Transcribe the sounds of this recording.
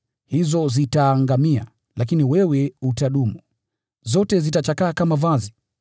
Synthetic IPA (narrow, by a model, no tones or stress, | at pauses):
hizɔzitaːŋɡamia̰ | lakiniwɛwɛutaɗumu | zɔtɛzitat͡ʃakaːkamavazi